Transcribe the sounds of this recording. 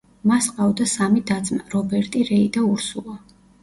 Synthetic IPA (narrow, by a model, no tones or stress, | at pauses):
masqʼavd̪asamid̪ad̪zmaɾɔbɛɾt̪ʼiɾɛid̪auɾsulˠa